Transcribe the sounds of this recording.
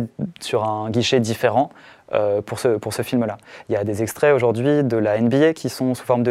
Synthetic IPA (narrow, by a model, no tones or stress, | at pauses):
syʁɛ̃ɡʲiʃed̪ifeʁɑ̃øpuʁsəpuʁsəfilmlailjad̪ezɛkst̪χɛoʒuʁd̪ɥid̪əlaɛnbiekʲʰisɔ̃su̥fɔʁməd̪ə